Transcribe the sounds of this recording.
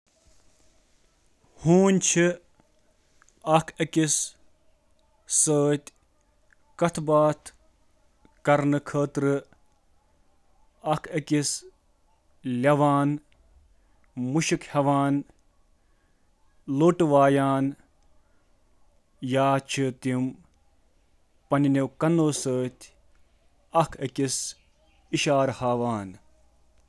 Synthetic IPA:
huːnʲt͡ʃʰi | ɐkʰɐkis | səːt̪ʲ | kɐt̪ʰbaːt̪ʰ | kɐɾnɨkʰəːt̪ɾɨ | ɐkʰɐkis | lʲɐʋaːn | muʃikhɐʋaːn | loːʈʋaːjaːn | jaːt͡ʃʰɨt̪im | pɐninewkɐnoːsəːt̪ʲ | ɐkʰɐkis | iʃaːɾhaːʋaːn

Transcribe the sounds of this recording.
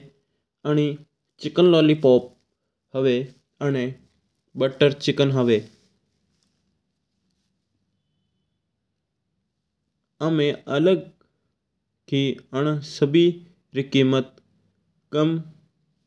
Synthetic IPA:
əñi | t͡ʃɪkənloːliːpoːp̚ | həʋeː | əne | ɓəʈːəɾt͡ʃɪkənɦəʋeː | amẽʔələɡ̚ | kiːəɳ̃səbʱiː | ɾikiːmət̪̚ | kəm

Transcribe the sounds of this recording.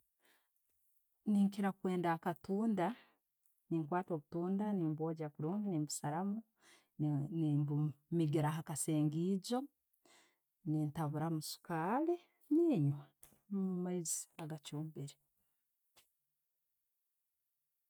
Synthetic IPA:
niŋkiɾakwe̞ːndakatuːnda | niŋkwaːto̞ːβutuːndaniːmboːɟakuɾuːŋɡanimbusaɾamu | nibumiɡiɾaɦakaseːŋɡiɟo̞ | nintaβuɾamusu̥kaːli | niɲwa | mumaizi̥aɡat͡ʃuːmbiɾi

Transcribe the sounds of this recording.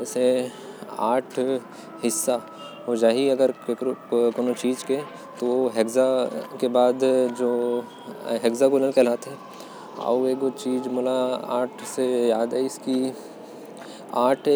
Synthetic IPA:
se | a̰ːʈʰ | ɦɪsːa | ɦod͡ʒaːɦiɐɡəɾekkoːnõt͡ʃiːd͡ʒke | t̪ooɦeɡzakebaːd̪d͡ʒoː | ɦeɡzaɡuləlkelaːt̪ɦɛ | ɔ̰eːkot͡ʃiːd͡ʒmoːlaaːʈʰsejaːd̪ɛɪski | aːʈʰː

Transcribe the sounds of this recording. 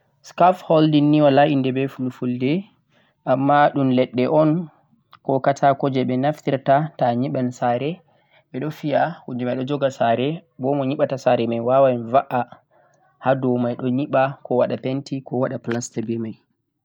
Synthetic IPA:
skafhɔldinːiwalaindɛbɛfulfuldɛ | ʔamːaɗumlɛɗːɛʔɔn | kɔkatʰakɔd͡ʒɛɓɛnaftiɾtataɲiɓansaɾɛ | ɓɛɗɔfijahund͡ʒumajɗɔd͡ʒɔɡasaɾɛbɔmɔɲiɓatasaɾɛmajwawanvaʔa | hadɔmajɗɔɲiɓakɔwaɗapentikɔwaɗaplastabɛmaj

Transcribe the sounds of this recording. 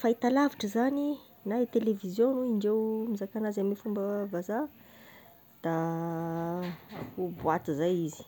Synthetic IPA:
fait̪alaviʈ͡ʂəzani | naet̪elevizjonuiɳɖ͡ʐewmizakanazamifumbəvaza | d̪̥a | akubuat̪izajizi̥

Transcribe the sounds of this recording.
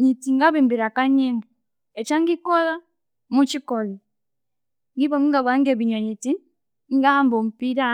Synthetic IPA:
ɲitiŋɡaβimbiɾakaɲɛŋɡi | ɛt͡ʃaŋɡikɔla | mut͡ʃikɔli | ŋɡiβɔmiŋɡaβaŋɡɛβiɲwaɲiti | ŋɡahambɔm̩piɾa

